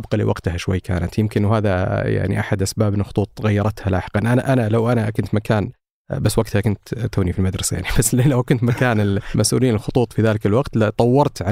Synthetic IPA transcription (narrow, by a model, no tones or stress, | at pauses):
bqɑlḭwɑ̰ɡt̪haʃwa̰jːkʰa̰ːnat̪jɪmkɪnwɦaːðaja̰ʕnḭʔaħad̪ʔasbaːbɪnlxʊ̥t̪ˤuːt̪ˤɣajːɑɾˤɑt̪hala̰ːħɪ̥qɑnʔanaʔanalawʔanakʊnt̪makʰaːn | basːwaɡt̪hakʊnt̪t̪ːuːnifilmad̪ɾˤɑsaja̰ʕnib̥asːlawkʊnt̪makaːnɪlmʔasʔṵːliːnɪlxʊt̪ˤuːt̪ˤfiðaːlɪkalwɑɡt̪lat̪ˤɑwːɑɾˤt̪ʕa